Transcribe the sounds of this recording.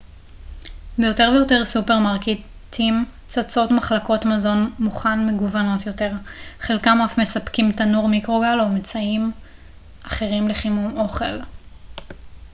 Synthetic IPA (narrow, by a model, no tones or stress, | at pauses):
bejo̞te̞ʁvejo̞te̞ʁsupeʁmaʁke | tʰim | t͡sat͡so̞tmaχlako̞tmazo̞nmuχanme̞ɡuvano̞tjo̞te̞ʁχelkamafme̞sapkimtanuʁmikʁo̞ɡalo̞met͡saim | ʔaχe̞ʁimle̞χimumo̞χe̞l